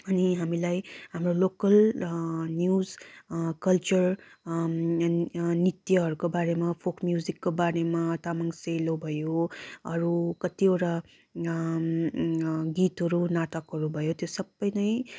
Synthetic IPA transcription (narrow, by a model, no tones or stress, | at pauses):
ʌniɦamilajɦamrolokʌl | njuzkʌlt͡ʃʌr | nit̪jʌɦʌɾukobaɾemapʰokmjuzikːobaɾemat̪amaŋselobʱʌjoʌɾukʌt̪ioʈa | ɡit̪ɦʌɾunaʈʌkɦʌɾubʱʌjot̪josʌbːʌjnʌj